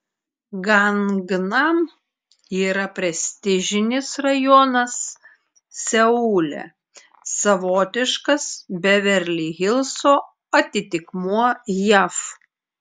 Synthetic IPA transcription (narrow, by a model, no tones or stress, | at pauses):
ɡɐnɡnɐm | iːɾɐpʲɾʲɛsʲt̪ʲɪʒʲɪnʲɪsɾɐjɔnɐsːʲ | ɛuːlʲɛ̰ | sɐʋoːt̪ʲɪʃkɐsbʲɛʋʲɛɾʲlʲiːɣʲɪlˠsoː | ɐt̪ʲɪt̪ʲɪkmuɔjæf